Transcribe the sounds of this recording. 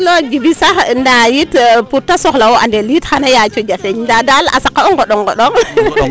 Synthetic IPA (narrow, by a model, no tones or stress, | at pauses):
lɔd͡ʒibisaxndajitputːasɔxlawɔʔa̰ndɛlitxanajat͡ʃɔd͡ʒafɛɲndadala̰sakːaɔŋɡɔɗɔŋɡɔɗɔŋ